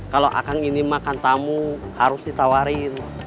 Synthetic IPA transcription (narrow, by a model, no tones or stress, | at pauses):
kaloʔa̰kaŋinimakant̪amuhaɾusdit̪awaɾin